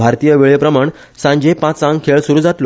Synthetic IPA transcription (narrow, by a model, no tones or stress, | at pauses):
bʱaɾt̪ijəʋiɭjəpɾəmaɳ | sãɲd͡ʑepãt͡sãŋɡkʰeɭsuɾuːd͡zat̪lo